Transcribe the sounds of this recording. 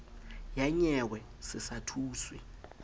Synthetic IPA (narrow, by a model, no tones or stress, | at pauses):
jaɲɛwɛ | sɪsatʰuːswi